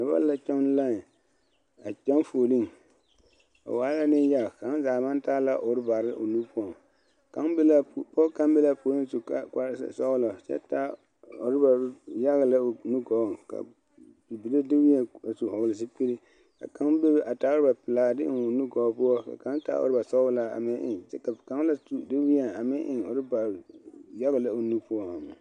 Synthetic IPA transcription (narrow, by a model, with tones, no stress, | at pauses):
na˨ba̰˦la˦t͡ʃa˦m˦la˦˨ | a˨t͡ʃɛ˦m˦foː˨li˦ŋ | a̰˨waː˨˦la˦nɪ˦n˦ja˦ɣka˨˦zaː˨ma˦n˦ta˦la˦ʔo˨ɾɪ˦ba˨ɾɪ˦ʔo̰˨nu˦pʊ˦ɔ˨ŋ | ka˦nbla˦˨pɔ˦ka˦mbe˦la˦po˨˦lɪ˦n˦su˨ka˦ka˦ssɔ˦ɣlɔ˨t͡ʃɛ̰˦ta˦ | o˨ɾɪ˦ba˨˦ja˦ɣɨ˨la˦˨nu˦ɡɔ˨ka̰˨ | bi˨bi˨le˦dɪ˦wi˦ɛ˨a˨su˨hɔ˨ɣlɪ˨s̬i˦pi˦ɾi˦ | ka̰˨ka˦ŋbe˦bɪ˦ʔa˨taː˨˦ʊ˦ɾɨ˦ba˨pɪ˨laː˨dɪ˦ʔɪ˨˦o˨nu˦ɡɔ˨˦pʊ˦ɔ˦ka̰˨ka˦ta̰˦o̰˨ɾɪ˦ba˨sɔ˦la˦a̰˨mɪ˦ʔɪ̰˨ŋt͡ʃɛ˦ka˨ka˨˦ŋ˦la˦sdɪ˦wi˦ɛ˨a˨mɪ˦ʔɪ˨ŋo˨ɾɪ˦ba˨ɾja˦ɣɨ˨la˦o˨nu˦pʊ˦ɔ˨a˨mɪ̰˨